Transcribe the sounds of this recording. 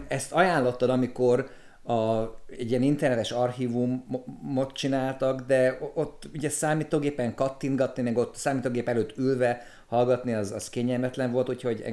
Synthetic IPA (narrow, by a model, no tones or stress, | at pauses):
ɛst̪ɒjaːnlo̞t̪ːɒd̪ɒmiko̞ɾ | ɒɛ̰ɟːijɛnint̪ɛrnɛt̪ɛʃɒrhiːvumːo̞t̪t͡ʃinaːlt̪ɒɡd̪ɛot̪ːuɟɛsaːmiːt̪oːɡeːpɛŋkɒt̪ːinɡɒt̪nimɛɡo̞t̪ːsaːmiːt̪oːɡeːpɛløːt̪ːylvɛ | hɒlɡɒt̪niɒzɒskeɲːɛlmɛt̪lɛɱvo̞lt̪ucho̞ɟɛ̰